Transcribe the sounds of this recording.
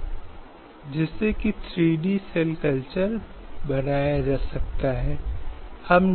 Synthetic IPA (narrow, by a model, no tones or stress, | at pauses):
d͡ʒɪsːekit̪ʰɾiːɖisɛlkəlt͡ʃəɾ | bɐnaːjad͡ʒaːsɐk̚t̪aɦɛːhɐmn